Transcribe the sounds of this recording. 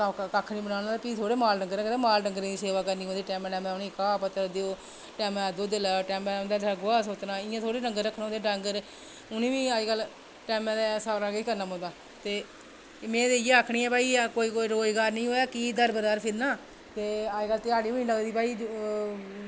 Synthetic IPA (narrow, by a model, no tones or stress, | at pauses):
t̪ãːkakʰniːbənaːnaːd̪apiːt̪ʰoːɽeːmaːlɖəŋɡəɾːkət̪ẽːmaːlɖəŋɡəɾiːiːseːʋaːkəɾniːõd̪iːʈɛːmːʈɛːmɛ̃ʊniːkaːpət̪əɾd̪eoː | ʈɛːmɛd̪oːd̪ɪlɛːʈɛːmɛ̃ːnd̪aːd̪əɡʊaːsoːt̪naːɪjãːt̪ʰoːɽeːɖəŋɡəɾəkʰnãoːd̪eɖəŋɡəɾ | ʊnĩːʋĩːaːd͡ʒɡəl | ʈɛːmɛ̃d̪ɛːsaːɾaːɡeiːkəɾnaːmõːd̪aː | t̪eː | mẽːd̪ejãəkʰɳiːɛ̃ːpaːiːkoːiːkoːiːɾoːd͡ʒɡaːɾnəĩːɦoːaːkiːd̪əɾbəd̪aːɾpʰɪɾnaː | t̪eːaːd͡ʒɡəlt̪ɪaːɽiːoːnĩləɡd̪iːpaːiː